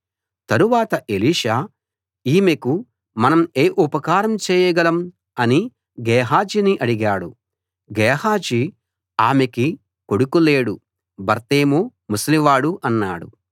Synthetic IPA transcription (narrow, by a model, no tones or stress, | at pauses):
t̪ɐɾuʋaːt̪ɐʔeliːʂaː | iːmeku | mɐnɐmeːʔupɐkaːɾɐmt͡ʃɛːjɐɡɐlɐm | ɐni | ɡɛːɦaːd͡ʒiniʔɐɽiɡaːɽu | ɡɛːɦaːd͡ʒi | aːmeki | ko̞ɽukule̞ːɽu | bɐɾt̪eːmumusliʋaːɽuʔɐnːa̰ːɽṵ